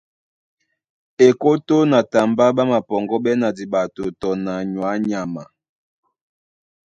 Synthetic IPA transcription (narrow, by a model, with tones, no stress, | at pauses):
e˨ko˦to˦na˨ta˨mba˦ɓa˦ma˨pɔ˨ŋɡɔ˦bɛ˦na˨di˨ba˨to˨tɔ˨na˨ɲwa˨˦ɲa˨ma˨